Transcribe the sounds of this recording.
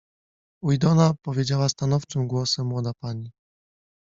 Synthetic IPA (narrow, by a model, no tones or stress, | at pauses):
ujd̪ɔnapɔvʲjed͡ʑawast̪anɔft͡ʂɨmɡwɔsɛmːwɔd̪apaɲi